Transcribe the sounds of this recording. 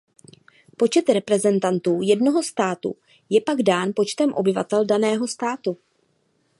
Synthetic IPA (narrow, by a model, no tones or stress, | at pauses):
po̞t͡ʃɛt̪ɾɛpɾɛzɛnt̪ant̪uːjɛdno̞ɦo̞st̪aːt̪ṵ | jɛpaɡdaːnpo̞t͡ʃt̪ɛmʔo̞bɪva̰t̪ɛldanɛːɦo̞st̪aːt̪u